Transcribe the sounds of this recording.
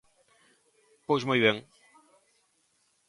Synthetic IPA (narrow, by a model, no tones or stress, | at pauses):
pojzmujβẽŋ